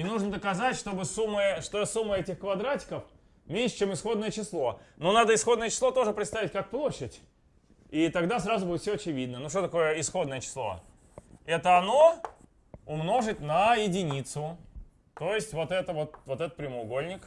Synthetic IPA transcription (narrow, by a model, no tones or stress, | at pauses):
inuʐnəd̪əkɐzatʲʂt̪o̞bɨsumːɨʂt̪oɛsumːəɛtʲɪxkvɐd̪ɾatʲɪ̥kəf | mʲenʲʂɨ̥t͡ɕemɪsxo̞d̪nəjət͡ɕɪslˠo̞nonad̪əɪsxo̞d̪nəjət͡ɕɪ̥slˠo̞t̪o̞ʐɨpɾʲɪt̪st̪avʲɪt̚ʲkak̚plˠo̞ɕːɪtʲ | it̪ɐɡd̪asɾazʊbulʲˠɪt̪fsʲoɐt͡ɕɪvʲid̪̚nənuʂt̪ot̪ɐko̞jəɪsxo̞d̪nəjət͡ɕɪ̥slˠo̞̰ | ɛt̪əɐno̞ | ʊmno̞ʐɨtʲnəjɪdʲɪnʲit̪sʊ | t̪o̞jɪsʲtʲvo̞t̪ɛt̪əvo̞t̪vot̪ɛt̪ət̪̚pɾʲɪmʊʊɡo̞lʲnʲɪk